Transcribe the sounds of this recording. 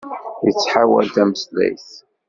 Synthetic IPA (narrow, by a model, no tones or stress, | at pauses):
jət͡sːħawæ̰lt̪æməslæ̰jθ